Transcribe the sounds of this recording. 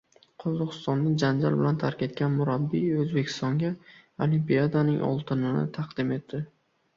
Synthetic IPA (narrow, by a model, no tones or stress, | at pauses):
qʰɒzɒqɨ̥st̪ɒnd̪ad͡ʒand͡ʒa̰lbɪlant̪ʰaɾkʲe̞t̪̚kʲanmʊɾabːiɵzbe̞kʲʰɪ̥st̪ɒŋɡʲa | olimpijad̪anɪŋʔɒ̰lˠt̪ʰɪnɪnɪ̰t̪ʰɑqd̪ɪme̞t̪ʰːɪ